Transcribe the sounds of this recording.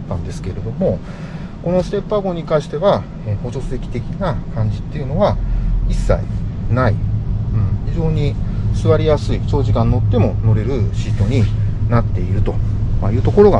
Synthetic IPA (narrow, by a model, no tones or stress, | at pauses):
t̪ːãnd̪e̞sɨ̥ke̞ɾe̞d̪o̞mo̞ | ko̞no̞sɨ̥t̪e̞pːaɡo̞ɲ̟ikãɰ̃ɕi̥t̪e̞βa | eho̞ɕo̞sɨe̞kʲi̥t̪e̞kʲinakãɲ̟d͡ʑi̥t̪ːe̞jɯ̟no̞βaisːa̰ḭnaḭɯ̟̃ɴçiʑo̞ːɲ̟isɨβaɾʲijasɨiɕo̞ːʑikãnːo̞t̪ːe̞mo̞no̞ɾe̞ɾɯ̟ɕiːt̪o̞ɲ̟inat̪ːe̞iɾɯ̟t̪o̞majɯ̟ːt̪o̞ko̞ɾo̞ɡa̰